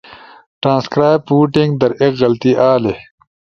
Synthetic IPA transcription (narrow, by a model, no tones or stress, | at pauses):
ʈɾãːnskɾaːjb̚uːʈĩŋɡd̪ɐɾekɣɐlt̪iʔaːle